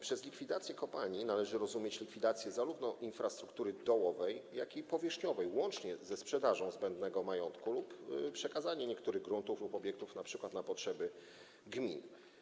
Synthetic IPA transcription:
pʂɛzlʲikfʲid̪at̪sʲjɛkɔpalɲinalɛʐɘɾɔzumʲjet͡ɕlʲikfʲid̪at̪sʲjɛzaɾuvnɔʔinfɾast̪ɾukt̪uɾɘd̪ɔwɔvɛjjakʲipɔvʲjɛʂɲɔvɛjwɔnt͡ʂɲɛzɛspʂɛd̪aʐɔ̃w̃zbɛnd̪nɛɡɔmajɔnt̪kuluppʂɛkazaɲɛɲɛkt̪uɾɘɣɡɾunt̪uflupɔbʲjɛkt̪ufnapʂɘkwat̪napɔtʂɛbɘ | ɡmʲin

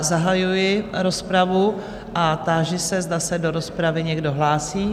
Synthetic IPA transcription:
zaɦajujɪɾo̞spɾavu | ʔat̪aːʒɪsɛzdasɛdo̞ɾo̞spɾavɪɲɛɡdo̞ɦlaːsiː

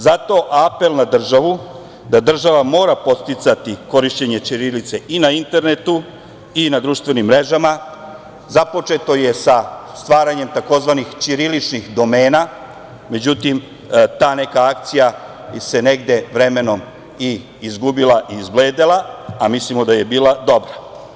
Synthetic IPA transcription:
zat̪o̞ʔape̞lˠnad̪r̩ʒaʋu | d̪ad̪r̩ʒaʋamo̞ːɾapo̞t̪t̪it̪sat̪iko̞ɾiʃt͡ɕeɲe̞t͡ʃiɾilit̪se̞ʔinaint̪e̞ɾne̞t̪u | inad̪ɾuʃt̪ʋe̞nimːɾe̞ʒama | zapo̞t͡ʃe̞t̪o̞je̞sast̪ʋaːɾaɲe̞mt̪ako̞zʋanixt͡ʃiɾilit͡ʃnixd̪o̞me̞ːna | me̞d͡ʑut̪im | t̪aːne̞kaakt̪sija | se̞ne̞ɡd̪e̞ʋɾe̞me̞no̞m | iː | zɡubilˠaʔiːzbleːd̪elaamislimo̞d̪aje̞biːlˠad̪o̞bɾa

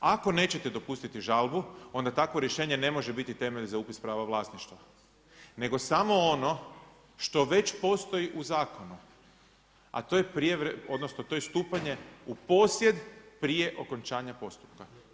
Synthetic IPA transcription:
ako̞ne̞ːt͡ɕe̞t̪ed̪o̞pust̪it̪iʒalˠbuo̞nd̪at̪akʋo̞ɾje̞ʃe̞ːɲe̞ne̞mo̞ʒebit̪it̪e̞meʎzaupispɾaːʋaʋlˠaːsniʃt̪ʋa | ne̞ɡo̞samo̞ono̞ | ʃt̪o̞ʋe̞t͡ɕpo̞st̪o̞jiʔuzaːko̞nu | a̰t̪oːjepɾijeʋɾeo̞d̪nosnot̪o̞ːjest̪uːpaɲe̞upo̞sje̞d̪pɾije̞ʔo̞ko̞nt͡ʃaːɲapo̞st̪u̥pka

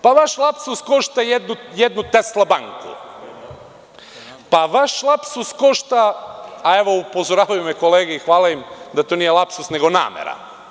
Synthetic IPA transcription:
paʋaʃlˠapsusko̞ʃt̪ajed̪nujed̪nut̪eslˠabaŋkṵ | paʋaʃlˠapsuskoʃt̪aː | e̞ʋo̞upozoɾaːʋajumeko̞leːɡeixʋaːlaimd̪at̪onije̞lˠapsusne̞ɡo̞na̰ːmḛɾa̰

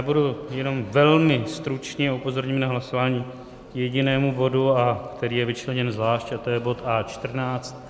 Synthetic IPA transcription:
jaːbudujɛno̞mvɛlmɪst̪ɾut͡ʃɲɛupo̞zo̞ɾɲimnaɦlaso̞vaːɲiː | jɛɟɪnɛːmubo̞duakt̪ɛɾiːjɛvɪt͡ʃlɛɲɛnzvlaːʃcat̪ojɛbo̞t̪ʔaːt͡ʃt̪r̩naːt͡st̪̚

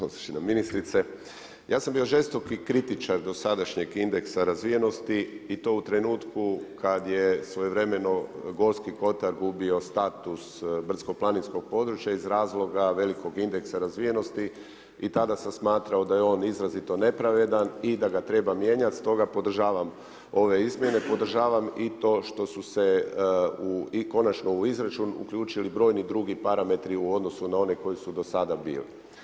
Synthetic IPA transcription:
osat͡ʃinamːinist̪ɾit̪se | jaːsambio̞ʒe̞st̪o̞kikɾit̪it͡ʃaɾd̪o̞sad̪aʃɲe̞ɡind̪e̞ksaɾazʋije̞no̞st̪iit̪o̞ːut̪ɾe̞nuːt̪kukad̪jesʋo̞jeʋɾe̞me̞noɡo̞skiko̞t̪aɾɡubio̞st̪at̪usbr̩t̪ko̞plˠaninsko̞ɡ̚po̞d̪ɾut͡ʃjaizɾaːzlˠo̞ɡaʋe̞liko̞ɡind̪e̞ksaɾazʋije̞no̞st̪i | it̪ad̪asamsmaːt̪ɾao̞d̪ajeo̞ːnizɾazit̪o̞ne̞pɾaʋe̞d̪anid̪aɡat̪ɾe̞bamje̞ɲat̪st̪o̞ɡapo̞d̪r̩ʒaːʋam | o̞ʋe̞izmje̞ne̞po̞d̪r̩ʒaːʋamit̪o̞ːʃt̪o̞suse̞ | uko̞nat͡ʃno̞uizɾat͡ʃunṵkʎuːt͡ʃilibɾo̞jnid̪ɾuɡipaɾame̞t̪ɾiuo̞d̪no̞sunao̞ne̞ko̞jisud̪o̞sad̪abḭːlḭ

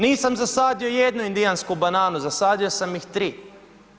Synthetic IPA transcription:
niːsamzasaːd̪io̞jed̪nuind̪ijanskubanaːnuzasaːd̪io̞samjixt̪ɾiː

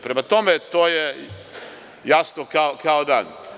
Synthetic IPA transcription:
pɾemat̪omet̪oːje | jasnokaokʰaod̪a̰ːn

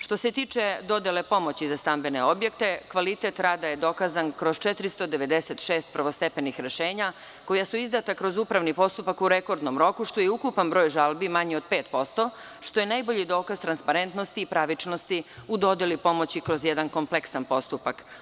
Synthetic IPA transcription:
ʃt̪o̞se̞t̪iːt͡ʂe̞d̪o̞d̪ele̞po̞mot͡ɕizast̪ambeneo̞bjek̚t̪e̞kʋalit̪et̪ɾaːd̪aje̞d̪o̞kazankɾo̞zt͡ʃɛt̪ɾist̪o̞d̪eʋe̞d̪eset̪ʃeːst̪pɾʋost̪epenixɾeʃeːɲa | ko̞jasuizd̪at̪akɾo̞zuːpɾaʋnipo̞st̪upakuɾeko̞ɾd̪nomɾo̞kuʃt̪ojeukupanbɾo̞ːjʒalˠbimaɲeo̞d̪̥̚pe̞ːt̪po̞st̪o̞ | ʃt̪o̞je̞najboʎid̪o̞ːkazt̪ɾanspaɾe̞nt̪no̞st̪iːpɾaʋit͡ʂno̞st̪iud̪o̞d̪elipo̞mo̞t͡ɕikɾozjed̪anko̞mpleksanpo̞st̪upak

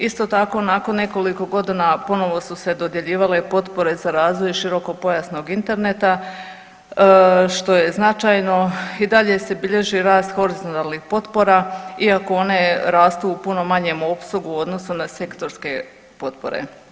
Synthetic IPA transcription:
ist̪o̞t̪ako̞nako̞nːe̞ko̞liko̞ɡo̞d̪inapo̞no̞ʋo̞suse̞d̪od̪je̞ʎiːʋale̞po̞t̪po̞ɾe̞zaɾaːzʋo̞jʃiɾo̞ko̞po̞jasno̞ɡint̪e̞ɾnet̪a | ʃt̪o̞je̞znat͡ʃajno̞id̪aʎe̞se̞biʎe̞ʒiɾaːst̪xo̞ɾizont̪alnixpo̞t̪po̞ɾaiakoo̞ne̞ɾaːst̪uupuno̞maɲe̞mo̞psuɡuo̞d̪no̞sunase̞kt̪o̞ɾske̞ | po̞t̪po̞̰ɾḛ

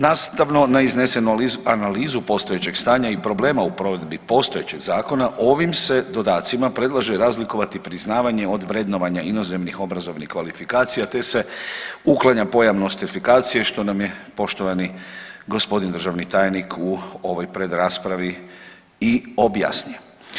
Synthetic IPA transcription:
naːst̪aʋno̞naizne̞se̞nuanaliːzupo̞st̪o̞je̞t͡ɕe̞ɡ̥st̪aːɲaipɾo̞ble̞ːmaupɾo̞ːʋe̞d̪bipo̞st̪o̞je̞t͡ɕe̞ɡzaːko̞naʔo̞ʋimse̞d̪o̞d̪aːt̪simapɾe̞d̪lˠaʒeɾaːzliko̞ʋat̪ipɾiznaːʋaɲe̞o̞d̪ʋɾe̞d̪no̞ʋaɲaino̞ze̞mnixo̞bɾazo̞ʋnikʋalifikaːt̪sijat̪e̞se̞uklˠaɲapo̞jaʋno̞st̪ifikaːt̪sijeʃt̪o̞namje̞po̞ʃt̪o̞ʋaniɡo̞spo̞d̪ind̪r̩ʒaʋnit̪aːjnikʰuoʋo̞jpɾe̞d̪ɾaːspɾaʋi | io̞bja̰snuje

